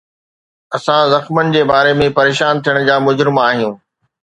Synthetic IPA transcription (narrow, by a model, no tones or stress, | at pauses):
ɐsãzɐxmənɪ̆d͡ʑeːbaːɾemẽpɐɾeːʃaːnt̪ʰijəɽ̃̆d͡ʑaːmʊd͡ʑɾɪmaːɦijũː